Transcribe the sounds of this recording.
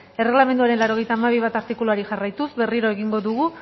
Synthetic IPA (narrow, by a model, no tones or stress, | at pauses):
e̞re̞ɣlame̞nd̪uaɾenlawɾo̞ɣe̞jt̪aːmaβ̞iβ̞at̪aɾt̪ikuluaɾiʝarajt̪uzbe̞riɾo̞e̞ɣiŋɡo̞ðuɣ̞u